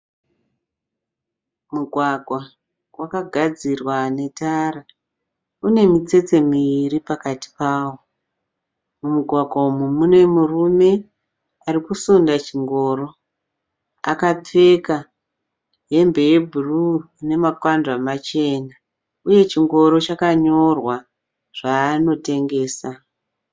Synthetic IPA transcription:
muɡʱwaɡʱwa | wakaɡʱad͡zirwane̞taːɾa | une̞mit͡se̞t͡se̞miiɾipakati̥paːwo | mumuɡʱwaɡʱwaumumune̞murume̞ | arikusondat͡ʃiŋɡo̞ːro̞ | a̰kap͡fe̞ka | ɦe̞mbe̞je̞bʱuruine̞makwand͡ʒamat͡ʃe̞na | uje̞t͡ʃiŋɡo̞ɾo̞t͡ʃakaɲo̞rwa | ʐ̥aːno̞te̞ŋɡe̞ːsa

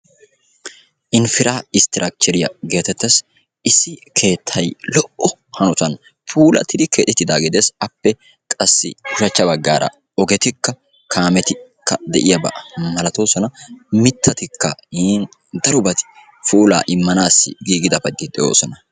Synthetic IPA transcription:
ʔɪnfɪɾaːɪst̪ɪɾʔak̚t͡ʃɛɾɪjɐ̰ɡe̞ːt̪ɛt̪ːɛs | ʔɪsːɪkʰe̞ːt̪ʰːɐjlɔʔɔhɐnɔt̪ɐn | pʰuːlɐ̰t̪ːɪd̪ɪkʰeːᶑ̪ɛt̪ːɪd̪aːɡɪd̪esɐpːɛ | kʼɐsːɪ̰hʊʃɐt͡ʃːɐbɐɡːaːɾɐ̰ | ɔɡɛt̪ɪkːɐ | kʰaːmɛt̪ɪkːɐd̪ɛʔɪjɐbɐ̰ʔɐmɐlɐt̪o̞ːsɔnɐmɪt̪ʰːɐt̪ɪkːɐhiːn | d̪ɐɾʊbɐt̪ɪ̥ | fuːla̰ːʔɪmːɐnaːsːɪ̰ɡiːɡɪd̪ɐpɐɡːɪt̪ʼːɪjo̞̰ːsɔnɐ

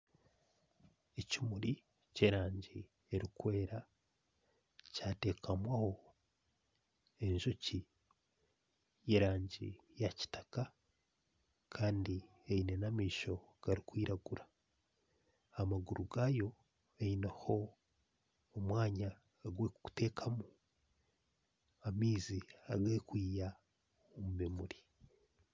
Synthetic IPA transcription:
ecimuɾi | ce̞ɾaːɲɟi | eɾikwe̞ːɾa | caːte̞ːkʰamwaho̞ | e̞ɲʒoci | je̞ɾaːɲɟḭ | jaci̥tḁka | kʰaːndi | eine̞namiːʃo̞ɡ̥aɾikwiːɾaɡuɾḁ | amaɡuɾuɡajo̞ | einaho̞ | mwaːɲaː | ɡwekku̥te̞ːkʰamu | amiːziaɡekwiːja | omumemuɾi

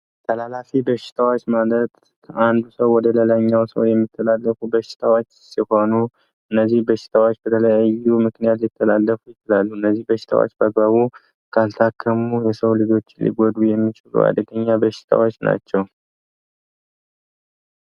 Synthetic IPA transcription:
t̪ʰəlalafibəʃɪ̥t̪ʰawot͡ʃːmalət̪ | kʰəʔand̪usəwːɔd̪ələlaɲːawsə̰wjɛmːit̪ʰːəlalːəfubəʃːɪ̥t̪ʰawot͡ʃːsiho̞nu | ʔɨnːəzːihbəʃɪ̥t̪ʰawot͡ʃːbət̪ʰələjajumɨknijat̪lɪt̪ʰːəlalːəfujɪt͡ʃɪlalːuhɨnːəzːihbəʃːɪ̥t̪ʰa̰wo̰t͡ʃːbəɡ̚baβu | kʰalt̪ʰakʰːəmujɛsəwlɨd͡ʒo̞t͡ʃːɪnlḭɡɔd̪ujɛmːit͡ʃʼɪlṵa̰d̪əɡəɲːabəʃɪ̥t̪ʰa̰wot͡ʃːna̰t͡ʃːɛw

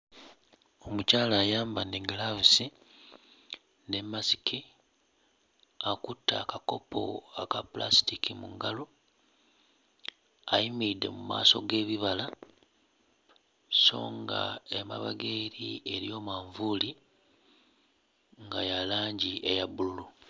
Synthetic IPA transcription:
o̞mucaːlaːjaːmbaneɡlavusi | ne̞mːasi̥kʰi | akutːaːkako̞po̞̰akapla̰stikimuŋɡalo̞ | aimidːe̞̰muma̰ːso̞ɡe̞ːβiβala | so̞̰ːŋɡa̰ema̰βaɡeɾie̞ɾijo̞ːmaːɱvuli | ŋɡajalaːɲɟiʔejabululu

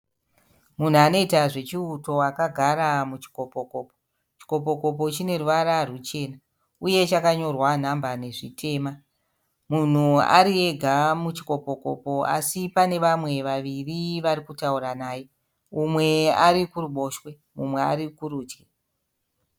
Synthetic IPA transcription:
mun̤uano̞itaʐe̞t͡ʃiuto̞akaɡʱaɾamut͡ʃi̥ko̞po̞ko̞ːpo̥ | t͡ʃi̥ko̞p̬o̞ko̞p̬o̞t͡ʃine̞ruʋaɾarut͡ʃe̞ːna | uje̞t͡ʃakaɲo̞rwan̤ambane̞ʐitʰe̞ːma | mun̤ua̰ɾie̞ɡʱamut͡ʃi̥ko̞po̞ko̞po̞a̰sipane̞ʋamwe̞ʋaʋiriʋarikutauɾanaːje | umwe̞aɾikuruɓo̞ːʃwe̞ | mumwe̞a̰ɾikuɾuːti

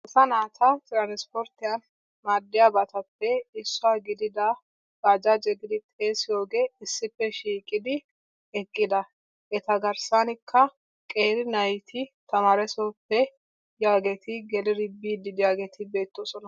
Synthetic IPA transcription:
ɛsɐnaːt̪ɐt̪ʼɾaːnɪspɔɾt̪ːɪjan | maːd̪ːɪjabɐt̪ɐpːɛɪsːʊwaːɡɪd̪ɪd̪ɐ | ɡaːd͡ʒad͡ʒɛɡɪd̪ɪt̪ʼeːsɪjo̞ːɡe̞ːɪsːɪpːɛʃiːkʼɪd̪ɪ | ɛkʼːɪd̪ɐ | ʔɛt̪ɐɡɐɾsanɪkʰːɐ | kʼe̞ːɾɪnɐjt̪ʰɪt̪ʰɐmaːɾɛsɔpːɛ | jaːɡeːt̪ʰɪɡɛlɪɾɪbiːd̪ɪd̪ɪjaːɡeːt̪ɪbe̞ːt̪ːoːsɔnɐ

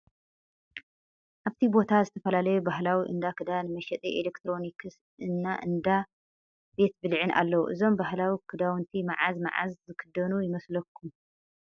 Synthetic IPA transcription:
ʔaβt̪ʰibo̞t̪ʰazɨt̪ʰɐfɐlalɐjubaɦlawiʔɨ̰nd̪akʰɨd̪anɨmɐʃɛt̪ʼiʔelekt̪ʰɾo̞nikʰɨs | ɨnːaʔɨnd̪a | be̞t̪bɨlʕɨnʔa̰lːɐwuʔɨzo̞mbahlawikʰɨd̪awɨnt̪ʰimaʕazma̰ʕa̰zzɨkʰɨd̪ɐnujɪmɐslɐkʰːum

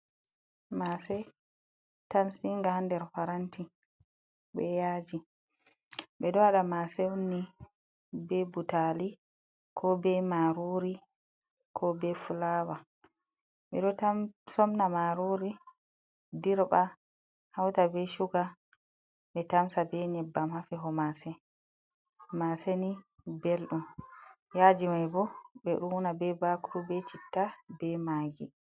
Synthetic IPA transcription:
masɛ | tamsiŋɡahandɛɾfaɾanti | ɓɛjaːd͡ʒi | ɓɛɗɔaɗamasɛwunːi | bɛbutali | kʰɔbɛmaɾuɾi | kʰɔbɛfulawa | ɓɛ̰ɗɔsɔmnamaɾuɾi | diɾɓa | hawtabɛʃuɡa | ɓɛtamsabɛɲɛbːamhafiɦɔmasɛ | masɛni | belɗum | jaːd͡ʒimajbɔbɛɗuːnabɛbakuɾubɛt͡ʃitːabɛmaːɡi

